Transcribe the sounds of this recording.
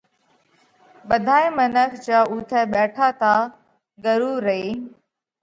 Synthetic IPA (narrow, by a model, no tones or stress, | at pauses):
ɓəd̪ʱaːĩːmənəkʰt͡ɕaːʊt̪ʰɛːɓɛːʈʰaːt̪aː | ɡəɾuːɾəeiː